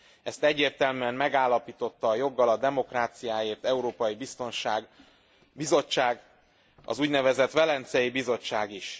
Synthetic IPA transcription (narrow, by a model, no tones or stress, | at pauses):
ɛst̪ɛɟːeːrt̪ɛlmyɛmmɛɡaːlːɒpiːt̪o̞t̪ːɒːjo̞ɡːɒlɒd̪ɛmo̞kraːt̪sijaːjeːrt̪ɛuɾoːpɒjibist̪o̞nʃaːɡ | bizo̞t͡ʃːaːɡ | ɒ̰zuːɟnɛvɛzɛt̪ʋɛlɛnt̪sɛjibizo̞t͡ʃːaːɡiʃ